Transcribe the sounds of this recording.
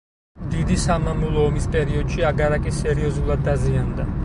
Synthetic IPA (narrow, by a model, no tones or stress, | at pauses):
d̪id̪isamamulˠɔːmispʼɛɾiɔd̪ʃiaɡaɾakʼisɛɾiɔzulˠad̪ːaziand̪a